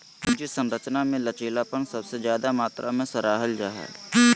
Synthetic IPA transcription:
d͡ʒisə̃mɾət͡ʃnamẽlət͡ʃeːlapənsɐbsezjaːd̪amaːt̪ɾʔamẽsəɾaːɦəld͡ʒaːɦɛ̰

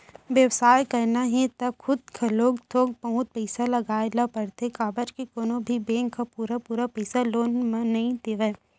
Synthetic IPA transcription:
ʋjəʋsaːjkɐɾnaɦɛ̃t̪ɐkʰʊd̪̚kʰaloːɡt̪ʰoːɡ̚pɐɦʊ̃t̪̚pɛɪsalɐɡaːelapɐɾt̪ekaːbət͡ʃkekoːnõbʱibẽːŋkːapuːɾapuːɾapɛɪsaloːnmẽːɐɦĩd̪eʋeː

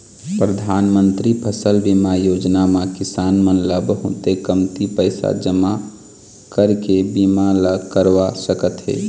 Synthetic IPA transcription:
pɾəd̪ʱaːnmə̃nt̪ɾipʰəsəlbimajoːd͡ʒnamãkɪsaːnmənləbɦʊt̪ekəmt̪ipəɪsa̰d͡ʒəma | kəɾkebimaləkəɾʋasəkət̪ɦɛ̰ː

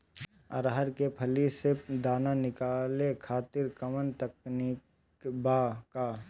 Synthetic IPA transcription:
ə̰ɾɦəɾkepʰəlised̪aːnanɪkaːlekʰaːt̪ɪɾkəmənt̪əknik | baːka

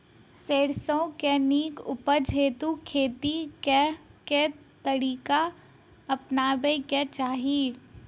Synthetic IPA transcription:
seːɾsõkeniːkʊpəd͡ʒʱeːt̪ukʰeːt̪ikeke | t̪əɽiːka | ɐpnaːbeiket͡ʃaːɦiː

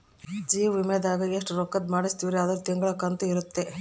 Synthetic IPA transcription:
d͡ʒiːʋimɛd̪aːɡɐeʂʈɾɔkːɐd̪maːɽist̪iʋɾeɐd̪ɐɾut̪iŋɡɐɭɐkɐnt̪uiɾut̪ːe

